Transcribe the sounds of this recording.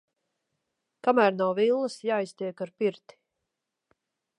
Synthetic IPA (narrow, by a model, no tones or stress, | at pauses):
kamæːɾnawvilˠːəsjaːjst̪ʲiɛkaɾpiɾt̪i̥